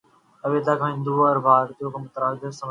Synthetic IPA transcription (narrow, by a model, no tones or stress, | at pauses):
əʋet̪aːkʰãɦɪ̃nd̪uɾbʱaːɾt̪ijõːkemʊt̪ɾaːd͡ʒ̪əsəm